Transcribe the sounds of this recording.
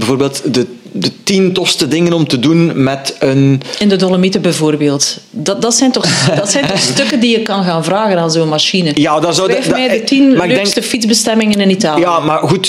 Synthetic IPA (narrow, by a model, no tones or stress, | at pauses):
bɛvoːɾbeːlˠtdə | dətintɔstədɪŋənɔmtədunmɛtənɪndədoləmitəbɛvoːrbeːlˠt | dɑdɑtsɛjntɔxdɑtsɛjntɔxstɵkəndijəkːɑnɣaːnvraːɣənaːnzoːnmaʃinəjaːdɑzoɛmɛːdətinmaɪɡøːdɛŋsstəfidzbəstɛmɪŋənɪnitaːljaːmarɣut